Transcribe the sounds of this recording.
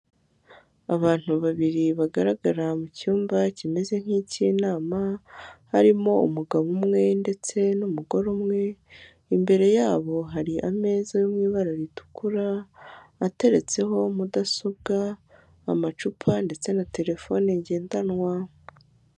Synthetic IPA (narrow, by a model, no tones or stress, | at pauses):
aβaːn̥uβaβiɾiβaɡaɾaɡaɾamucuːmbacime̞ze̞ŋ̥hicinaːmahaɾimo̞ṵmuɡaβumŋe̞nde̞t͡se̞numuɡo̞ɾomŋe̞ | imbe̞ɾe̞jaːβo̞ɦaɾiʔame̞ːzajomŋiːβaɾaɾitu̥kuɾaː | te̞ɾe̞t͡se̞ɦo̞mudasob̚ɡa̰ː | mat͡ʃupʰande̞t͡se̞nate̞ɾe̞fo̞neɲɟe̞ːndanŋwa